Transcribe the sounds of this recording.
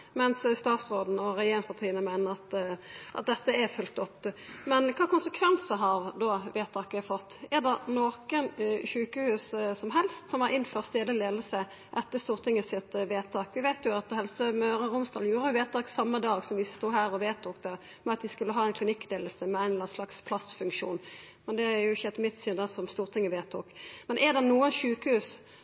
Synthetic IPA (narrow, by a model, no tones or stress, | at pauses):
mɛnsst̪ɑːt̪sʁoːd̪n̩ɔɾɛjeːɾɪŋpʰɑt̪ʰiːənəmæɪnəʁɑt̪ʔɑ̰t̪̚d̪ɛt̪ːəɛfʉlt̪ɔpːmɛnkʰɑːkʊnsəkʰʋɛnsəɦɑɾd̪ɔʋeːt̪ʰːɑːkəfɔt̪ːɛʁd̪ɛnoːkənçʉːkəhʉːssɔmɦɛlst̪sɔmhɑɾʔɪnføːʁst̪eːləleːd̪l̩sə | ʔɛt̪ːəst̪uːʁt̪ʰɪŋːəsɪt̪ʋeːt̪ʰɑːkʋɪʋæɪt̪jʊɑt̪hɛlsəmœʏɾəɾʊmst̪ɑːljuːɾəjʊʋeːt̪ʰɑːksɑmːəd̪ɑːɡsɔmʋɪst̪uːɦæːɾɔʋeːt̪ʰuːkd̪ɛ | mɛɑt̪d̪ɪskʉlːəɦɑːæɪnkʰlɪnɪkːd̪eːll̩səmɛæɪnlɑnslɑkspʰlɑst̪fʉŋkʂṵːn | mɛnd̪ɛæjʊɪçːəɛt̪mɪt̪synd̪ɛsɔmst̪uːʁt̪ɪŋːəʋeːt̪ʰuːkmɛnʔɛʁd̪ɛnuːənʃʉːkəhʉːs